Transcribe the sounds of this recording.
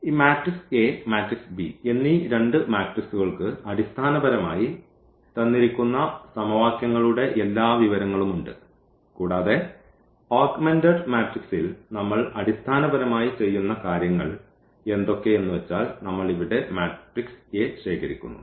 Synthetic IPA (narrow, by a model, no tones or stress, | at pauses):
iːmaːʈrikseːmaːʈriksbienːiɾe̞ɳɖɨmaːʈriksuɣɐɭkɨɐɽist̪ʰaːnɐbɐɾɐma̰ːji | t̪ɐnːiɾikʲːunːɐsɐmɐʋaːkjɐŋːɐɭuɽe̞ʔelːaːʋiʋɐɾɐŋːɐɭumuɳɖɨ̰ | kuːɽaːðe̞ | aːkmendɐɖmaːʈriksilnɐmːɐɭɐɽist̪ʰaːnɐbɐɾɐmaːjit͡ɕe̞jːunːɐkaːɾjɐŋːɐ̰ɭ | e̞nd̪o̞kːe̞e̞nːuʋet͡ɕːaːlnɐmːɐɭiʋiɽe̞maːʈrikseːɕe̞ːkɐɾikʲːṵnːṵ